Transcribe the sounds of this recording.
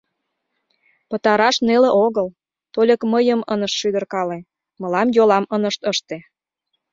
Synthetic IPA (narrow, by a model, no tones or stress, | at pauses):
pə̆t̪ɑɾɑʃnelĕʔoɣəl | t̪olʲəkməjəmənəʃʃyd̪ərkɑle | mɤ̆lɑmjolɑmənəʃt̪əʃt̪e